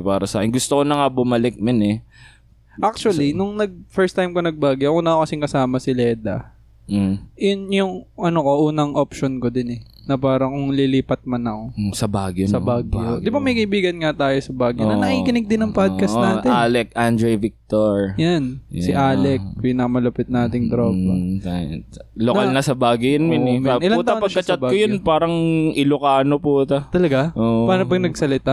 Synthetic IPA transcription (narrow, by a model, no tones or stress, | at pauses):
paːɾɐsa̰ːkɛnɡʊst̪okonɐŋabʊmɐlɪk̚mɪnɛ | ʔak̚t͡ʃuɐlinʊŋnɐɡ̚fɛɹst̪ajmkonɐɡ̚baːɡjoʔɐkonɐokɐsɪŋkɐsaːmɐsɪlɛːd̪ɐ̰ | jʊnjʊŋʔɐnoko̞ʔuːnɐŋʔopʃonkod̪ɪnɛ | nɐpaːɾɐkʊŋliliːpɐt̪̚mɐnɐko̞sɐbaːɡjosɐbaːɡjod̪ɪbamɐjkɐʔɪbiːɡɐnŋɐt̪aːjosɐbaːɡjonɐnɐŋiːkɪnɪɡ̚d̪ɪnɐŋpad̪̚kɐsnaːɪnalɛk̚ʔand̪ɾɛjvɪk̚t̪oɹjansɪʔaːlɛk̚pɪnamɐlɐpɪt̪̚naːt̪ɪŋd̪ɾoːbot̪alokɐlnɐsɐbaːɡjojɐnmɪɛɐʔɪlaut̪ɐpɐkːɐt͡ʃɐt̪bakojonpaːɾɐŋʔɪlʊkaːnopuːt̪ɐt̪ɐlɐɡaʔoːʔpaːɾɐpɐɡ̚nɐɡsɐlɪt̪a